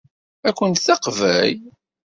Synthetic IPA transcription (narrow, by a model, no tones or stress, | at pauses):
ækʷːənt̪θɑqvæj